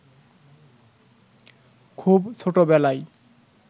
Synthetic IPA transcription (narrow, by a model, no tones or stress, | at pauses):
kʰubt͡ɕʰoʈobɛlaj